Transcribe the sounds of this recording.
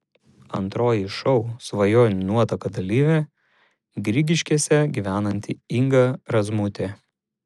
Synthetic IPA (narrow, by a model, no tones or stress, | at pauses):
ɐ̰nt̪ɾoːjiʃɔʊsʋɐjoːnʲnuɔt̪ɐkɐd̪ɐlʲiːʋʲeː | ɡɾʲiɡʲɪʃʲkʲiɛsʲɛɡʲiʋʲæːnɐnʲt̪ʲɪɪŋɡɐɾɐzmʊt̪ʲeː